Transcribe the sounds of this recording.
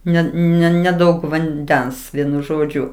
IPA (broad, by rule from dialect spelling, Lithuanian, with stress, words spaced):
ˈnʲɛ nʲɛ nʲɛˈdɐʊk ʋɐnʲˈdʲɛns ˈʋʲiɛnʊ ˈʒoːd͡ʒʲʊ